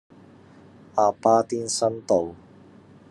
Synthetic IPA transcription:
ʔaː˨˩paː˧t̪i˧˥nsɐ˥nt̪o˨˩w

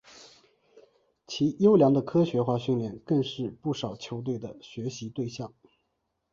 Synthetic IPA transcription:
t͡ɕʰi˧˥jo˥ʊljɑ˧˥ŋd̪ə˧kʰɤ˥ɕɥɛ˧˥xwa˥˧ɕy˥˧nljɛ˥˧nkɤ˥˧ŋʂɻ̩˥˧pu˥˩ʂɑ˨˩ʊt͡ɕʰjo˧˥ʊt̪we˥˩ɪd̪ə˩ɕɥɛ˧˥ɕi˧˥t̪we˥˧ɪɕjɑ˥˩ŋ

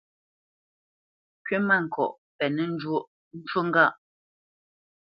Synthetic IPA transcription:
kɥe˦ma˦˨ŋ̩˨kɔ̰˨ʔ | pɛ˨nɛ˨n̩˦d͡ʒwo˦ʔ | n̩˦t͡ʃo˦ŋ̩˦ɡa˦˨ʔ

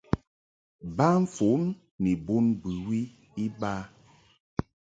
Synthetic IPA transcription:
ba˦ɱ̩˦fo˨˦m | ni˨bu˦nbʉ˨wi˦ | i˦ba˦

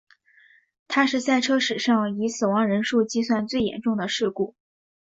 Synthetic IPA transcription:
t̪ʰa˥ʂɻ̩˥˧sa˥˩ɪʈ͡ʂʰɤ˥ʂɻ̩˨˩ʂɑ˥˩ŋi˧˥sɹ̩˨˩wɑ˧˥ŋɻə˧˥nʂu˥˧t͡ɕi˥˧swa˥˧nt͡swe˥˩ɪjɛ̰˨˩˥nʈ͡ʂʊ˥˩ŋd̪ə˩ʂɻ̩˥˧ku˥˩

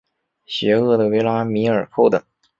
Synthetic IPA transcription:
ɕɥɛ˧˥ɤ˥˩d̪ə˩we˧˥ɪla˥mi˧˥ə˞˨˩kʰo˥˧ʊt̪ɤ˨˩˦ŋ

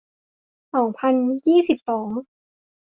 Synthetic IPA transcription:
sɔː˩˦ŋpʰa˧njiː˥˩si˨˩p̚sɔː˩˦ŋ

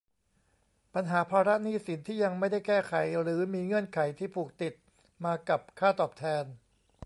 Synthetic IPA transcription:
pa˧nɦaː˩˦pʰaː˧ɾa˦˥niː˥˩si˩˦nt̪ʰiː˥˩ja˧ŋma˥˩jda˥˩jkɛː˥˩kʰa˨˩˦jɾɯː˩˦miː˧ŋɯ˥˩ənkʰa˩˦jt̪ʰiː˥˩pʰuː˨˩k̚t̪i˨˩t̪̚ | maː˧ka˨˩p̚kʰaː˥˩t̪ɔː˨˩p̚t̪ʰɛː˧n

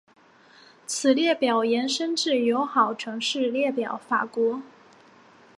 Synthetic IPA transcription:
t͡sʰɹ̩˨˩ljɛ˥˩pjɑ˨˩ʊjɛ˧˥nʂə˥nʈ͡ʂɻ̩˥˩jo˧˥ʊxɑ˨˩ʊʈ͡ʂʰɤ˧˥ŋʂɻ̩˥˧ljɛ˥˩pjɑ˨˩˦ʊfa˨˩kwɔ˧˥

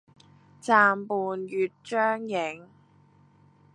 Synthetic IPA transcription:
t͡saː˧mpuː˨njyː˨˧t̚t͡ʃœː˥ŋjɪ˨˧ŋ

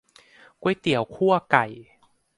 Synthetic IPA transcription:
ku˧˩˦jt̪i˨˩˦əwkʰu˥˩ɐəka˨˩j

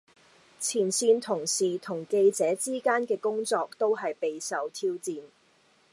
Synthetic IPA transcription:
t͡sʰiː˨˩nsiː˧nt̪ʰʊ˨˩ŋsiː˨˩t̪ʰʊ˨˩ŋke˧jt͡sɛː˨˥t͡siː˥kaː˥nkɛː˧kʊ˥ŋt͡sɔː˧k̚t̪o˥wɦɐ˨jpe˨jsɐ˨wt̪ʰiː˥wt͡siː˨n

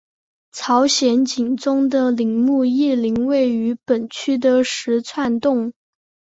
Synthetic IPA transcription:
t͡sʰɑ˧˥ʊɕjɛ˧˥nt͡ɕi˨˩ŋt͡sʊ˥ŋd̪ə˨li˧˥ŋmu˥˧i˥˩li˧˥ŋwe˥˩ɪy˧˥pə˨˩nt͡ɕʰy˥d̪ə˨ʂɻ̩˧˥t͡sʰwa˥˧nt̪ʊ˥˩ŋ

